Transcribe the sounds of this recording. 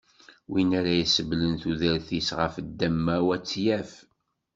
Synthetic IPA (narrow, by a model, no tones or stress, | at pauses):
winæɾæjəsəvlənθuðəɾθisʁəfəd̪ːæmːæwæt͡sːjæf